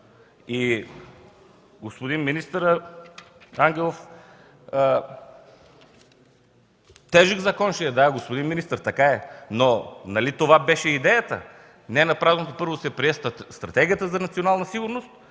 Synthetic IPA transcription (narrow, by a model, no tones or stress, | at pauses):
i | ɡospod̪inminist̪əɾə | aŋɡʲɛlˠof | t̪ɛʒəɡzɐkɔnʃɛɛd̪aɛɡospod̪inminist̪əɾt̪ɐkaɛnonɐlit̪ovabɛʃɛid̪ɛjət̪ə̰ | nɛnɐpɾavnot̪opɤɾvosɛpɾiɛst̪ɾɐt̪ɛɡʲiət̪əzɐnɐt̪sionalˠnəsiɡʊɾnost̪̚